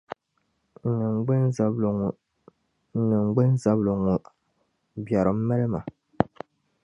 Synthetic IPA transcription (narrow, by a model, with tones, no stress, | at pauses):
nɨ˨ɡ͡bn˨ŋ˨ | nɨ˨ŋ͡mɡ͡bɨ˦n˦za˨blo˨ŋu˨ | bja˨ɾɨ˨m̩˦mɛ˦lɨ˦ma˨